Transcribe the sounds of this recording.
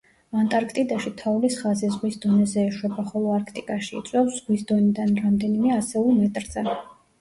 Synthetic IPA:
vant̪ʼaɾkʰt̪ʼid̪aʃit̪ʰaulisχazɛzʁwisd̪ɔnɛzɛːʃwɛbaχɔlˠɔaɾkʰt̪ʼikʼaʃḭːt̪sʼwɛpsz̥ʁwisd̪ɔnid̪anɾamd̪ɛnimɛasɛulˠmɛt̪ʼɾz̥ɛ

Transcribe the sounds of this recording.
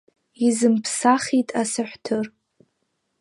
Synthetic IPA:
izɨmpʰsaχitʼasaħʷtʰɨr

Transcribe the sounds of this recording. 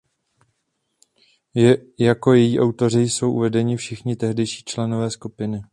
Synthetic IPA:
jako̞jɛjiːʔawt̪o̞r̝ɪjso̞wʔṵvɛdɛɲɪfʃɪxɲɪt̪ɛɦdɛjʃi̥ːt͡ʃlɛno̞vɛːskupɪnɪ

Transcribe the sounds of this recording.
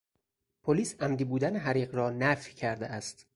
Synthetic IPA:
pʰoliːsæmd̪iːbuːd̪æneɦæɾiːɢɾɒːnæfjcʰæɾd̪eʔæst̪

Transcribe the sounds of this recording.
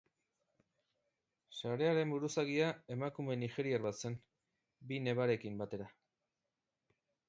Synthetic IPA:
saɾe̞aɾe̞mbuɾusaɣiae̞makume̞nixe̞ɾiarβat̪se̞n | bine̞βaɾe̞kimbat̪e̞ɾa

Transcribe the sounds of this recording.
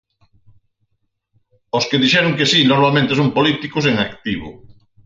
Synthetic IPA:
oskeðiʃɛɾʊŋkesinoɾmalmẽnt̪esompolit̪ikos̬eŋakt̪iβʊ̰

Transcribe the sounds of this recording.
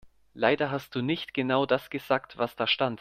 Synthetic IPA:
laɪdɐɦast̚d̥uːnɪçtɡ̥ənaʊdasɡ̥əzaːktvasd̥aːɐʃtant

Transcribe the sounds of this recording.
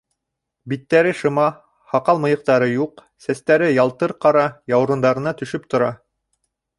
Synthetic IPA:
bit̪ːæɾɘʃɤ̆mɑ | hɑqɑlˠmɤ̆jɤ̆q̚t̪ɑɾɤjuq | sæst̪æɾɘjɑlˠt̪ɤɾqɑɾɑjɑwɾŭnd̪ɑɾɤ̆nɑt̪ɵ̆ʃɵp̚t̪ŏɾɑ

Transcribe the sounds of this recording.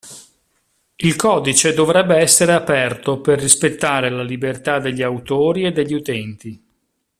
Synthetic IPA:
ilkɔːd̪it͡ʃed̪ovɾɛbːeɛsːeɾeapɛrt̪operːispet̪ːaːɾelalibert̪ad̪ːeʎːiawt̪oːɾied̪ːeʎːiut̪ɛnt̪i

